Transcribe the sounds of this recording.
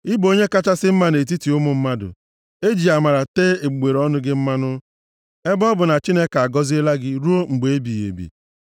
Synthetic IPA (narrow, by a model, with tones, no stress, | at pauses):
ɪ˦bo˦ɲe˦ka˦t͡ʃa˦sɪ˦m̩˦ma˦ne˨t̬i˦ti˨ʊ˦mʊ˨m̩˦ma˦dʊ̰˨ | e˦d͡ʒi˨a˨ma˨ɾa˨te˦e˨ɡ͡be˨ɾɔ˦nʊ˦ɡɪ˦m̩˦ma˦nʊ˦ | e˦bɔ˦bʊ˨na˨t͡ʃi˦ne˦ka˨a˨ɡɔ˦zi˦e˦la˦ɡɪ˦ɾu˦o˦ŋ͡m̩˨ɡ͡be˨e˦bi˨jḛ˨bḭ˨